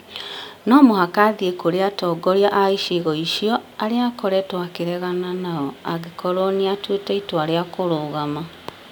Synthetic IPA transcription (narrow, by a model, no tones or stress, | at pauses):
nɔmohakaðiekoɾeatɔɡɔɾiaʔaiʃeɣɔiʃiɔaɾeakɔɾɛtwakeɾɛɣananaɔaɣekʰɔɾoniatwetɛitoaɾeakoɾoːɣama